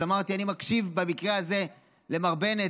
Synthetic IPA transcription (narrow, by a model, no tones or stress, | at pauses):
amaʁt̪ianimakʃivbamikʁeaze̞ | le̞maʁbe̞ne̞